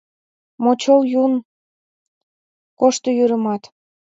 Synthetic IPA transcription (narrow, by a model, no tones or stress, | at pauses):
mot͡ɕoljun | koʃt̪ojyɾəmɑt̪